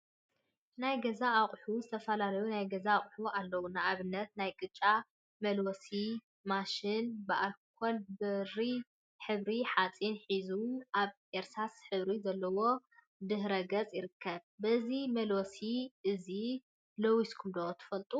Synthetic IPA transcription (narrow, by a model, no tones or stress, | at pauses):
najɡɐzaːχʼħuzɨt̪ʰɐfɐlalɐjunajɡɐzaːχʼħualːɐwunaʔaβɨnːɐt̪̚najkʼɨt͡ʃʼːa | mɐlwosi | maʃɪnbɨʔakʰːolbɨri | ħɨβɾiħat͡sʼinħizuʔaβ | eɾsasħɨβɾizɐlːɐwo̞ | d̪ɨhɾɐɡɐt͡sʼjɪɾɨkʰːɐβbɐzimɐlwosiʔɨzi | lowiskʰɨnd̪ot̪ʰɨ̥fɐlt̪ʼu